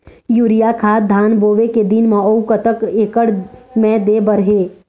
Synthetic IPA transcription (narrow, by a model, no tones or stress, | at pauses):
juːɾijakʰaːd̪ʱaːnboːʋeked̪inmãowkət̪əkeːkəɽmɛ̃ːd̪eːbəɾɦeː